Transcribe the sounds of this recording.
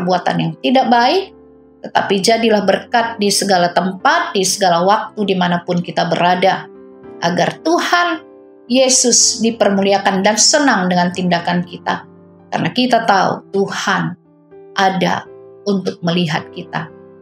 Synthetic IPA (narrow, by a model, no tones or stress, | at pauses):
əbuat̪a̰njaŋt̪idak̚baɪk̚ | t̪ət̪a̰pid͡ʒadilahbərkat̪̚disəɡalat̪əmpat̪̚disəɡalawak̚t̪udimanapʊnkit̪abəɾada | ʔaɡart̪uhan | jesʊsdipərmuliakandansənaŋdəŋant̪indakankit̪a̰ | ka̰rnakit̪at̪aṵt̪uhan | ʔada̰unt̪ʊk̚məliɦat̪̚kit̪a̰